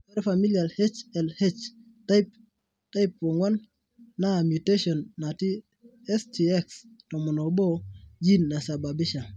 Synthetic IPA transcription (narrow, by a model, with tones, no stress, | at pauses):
ɛ˦ɾfa˨mi˦lja˨lhe˦t͡ʃɛ˨lhe˦t͡ʃ | tajp | ta˦ɪp̚wɔ˨ŋwɔ˦nː | a˦˨mju˨te˦ʃɔ˨nːa˨ti˦ | ɛ˦sti˨ɛ˦kstɔ˨mɔ˨no˨bɔ˦d͡ʒi˦nːa˨sa˨ba˨bɪ˦ʃa˨